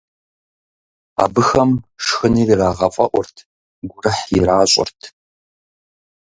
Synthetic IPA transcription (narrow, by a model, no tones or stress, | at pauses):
a̰ːbɨxɐmʂxɨniːriraːʁɐfʼɐʔʷɔrtʰ | ɡʷʊrɨħjɪɾaːɕʼɔ̰rtʰ